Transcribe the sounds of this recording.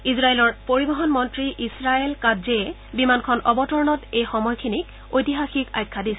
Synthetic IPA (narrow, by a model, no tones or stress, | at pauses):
izɹajelɔɹpoɹibɔɦɔnmɔntɹiʔisɹaelkazɛɛ | bimankʰɔnʔɔbɔtɔɹnɔtejxɔmɔjkʰinik | ojtiɦaxika̰jkʰːadisɛ̥